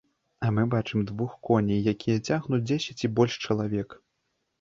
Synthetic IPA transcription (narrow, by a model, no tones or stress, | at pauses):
ɐmɨbat͡ʂɨmd̪vuxkɔnʲijjakʲijɐt͡sʲaɣnut͡sʲd͡zʲesʲɛt͡sʲibɔlʲʂt͡ʂɐlˠavʲɛk